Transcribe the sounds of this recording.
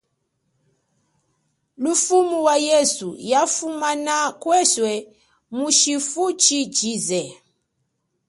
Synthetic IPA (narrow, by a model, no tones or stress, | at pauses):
lufumuwajɛsṵjafumanakwɛswɛ | muʃifut͡ʃit͡ʃizɛ